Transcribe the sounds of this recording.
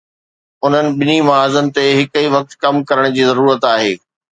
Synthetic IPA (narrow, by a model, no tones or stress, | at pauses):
ʊn̤ənɪ̆ɓɪnimɐaːzənɪ̆t̪eɦɪkiʋɐk̚t̪kɐmkɐɾəɽ̃d͡ʑiːzɐɾuːɾət̪aːɦeː